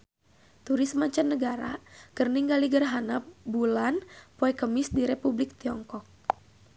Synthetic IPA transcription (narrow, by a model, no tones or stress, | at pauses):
t̪uɾismaɲt͡ʃanːəɡaɾakərniŋɡaliɡərɦanabulanpoɛkəmisdiɾepublik̚t̪iɔŋkɔk̚